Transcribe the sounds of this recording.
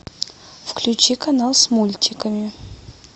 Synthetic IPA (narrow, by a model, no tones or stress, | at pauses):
fklʲʉt͡ɕikɐnalˠsmulʲtʲɪkəmʲɪ